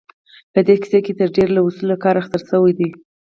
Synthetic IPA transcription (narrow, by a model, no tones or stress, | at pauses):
pəd̪ekɪ̥seket̪əɾɖeɾlawusulakɑɾaxt̪aɾsəwajd̪i